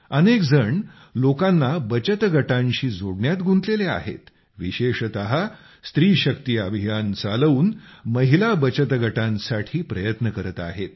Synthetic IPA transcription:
ənekd͡zəɳ | lokanːabət͡ɕət̪ɡʱəʈãɲɕiːd͡zoɽɳjat̪ɡʱunt̪lelea̰ɦḛt̪ | ʋiɕeɕt̪əɦa | st̪ɾiːɕəkt̪iːəbʱijant͡saləʋuːnməɦilabət͡ɕət̪ɡʱəʈãnsaʈʰiːpɾəjət̪nəkəɾət̪a̰ɦet̪̚

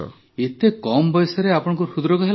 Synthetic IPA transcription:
et̪ekɔmɔbɔjsɔɾeapɔɽ̃ɔŋkusud̪ɾɔkɔɦel

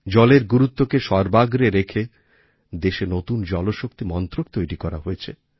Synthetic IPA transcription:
d͡ʑɔleɾɡuɾut̪ːokeʃɔɾbaɡɾeɾekʰe | d̪eʃenot̪und͡ʑɔloʃok̚t̪imɔnt̪ɾok̚t̪ojɾikɔɾa̰ɦojet͡ɕʰe

